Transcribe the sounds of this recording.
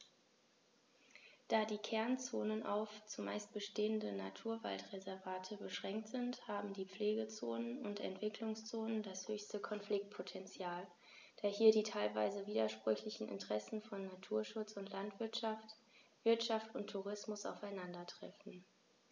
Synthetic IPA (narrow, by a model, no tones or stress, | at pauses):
d̥aːdiːkʰɛɐnt͡soːnənʔa̰ʊft͡suma̰ɪst̚b̥əʃteːəndənatʰuːɐva̰ltʁezɛɐvaːtʰəbəʃʁ̥ɛŋk̚tz̥ɪnthaːbm̩diːp͡fleːɡət͡soːnənʊntɛ̰ntv̥ɪkʰlʊŋst͡soːnəndashøːçstəkʰɔnflɪk̚t̚pʰotʰɛnt͡sjaːl | d̥aːɐhiːɐdiːtʰaɪlvaɪzəviːdɐʃpʁ̥ʏçlɪçn̩ɪ̰ntəʁ̥ɛsn̩fɔnːatʰuːɐʃʊt͡sʊntʰlantv̥ɪɐtʃaft | v̥ɪɐtʃaftʊntʰuʁ̞ɪsmʊsa̰ʊfaɪnandɐtʁ̥ɛ̰fn̩